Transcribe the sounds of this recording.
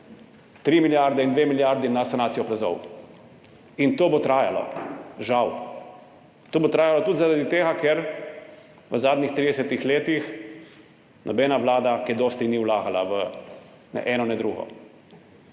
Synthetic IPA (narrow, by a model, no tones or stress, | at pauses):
t̪ɾiːmiljaɾd̪ɛind̪ʋeːmiljaɾd̪inasanaːt̪sijɔplazɔ̰w | int̪oːbot̪ɾaːjalɔ̰ʒaw | t̪oːbot̪ɾaːjalɔt̪ut̪zaɾad̪it̪eːɡakɛɾ | ʋəzaːd̪nixt̪ɾid̪ɛsɛt̪ixleːt̪ix | nʔɔbɛːnaʋlaːd̪akid̪oːst̪iniwlaːɡala̰ʋə | nɛ̰ʔɛːnɔnɛd̪ɾuːɡɔ̰